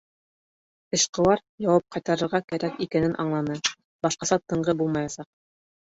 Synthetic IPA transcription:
ɘ̆ʃqɤ̆wɑɾjɑwɑp̚qɑjt̪ɑɾɤ̆ɾʁɑkæɾækikænɘnʔɑɴlˠɑnɤ | bɑʃqɑsɑt̪ɤ̆ɴʁɤbulˠmɑjɑsɑq̚

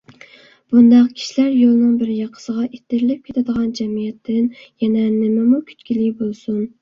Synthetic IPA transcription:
b̥und̪ɑqkʲʰi̥ʃilæɾjolˠnɨŋbɪɾjɑqʰə̥səʁɑʔet̪ʰːɪɾlɪp̚kʲʰet̪ʰɛd̪əʁɑnd͡ʒɛmijɛt̪ʰːɪnjɛnɛnɪmɪmukʲʰy̥t̪kʲʰilibolˠsun

